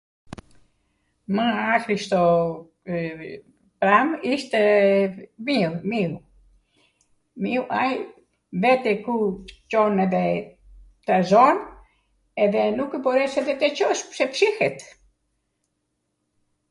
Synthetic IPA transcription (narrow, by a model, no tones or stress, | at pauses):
məakɾiʃt̪ɔ | pɾamiʃt̪ɛ | miumiw | miwʔaj | vɛt̪ɛkut͡ʃɔnɛðɛ | t̪azɔn | ɛðɛnukɛpɔɾɛsɛðɛt̪ɛt͡ʃɔʃpsɛpʃihɛt̪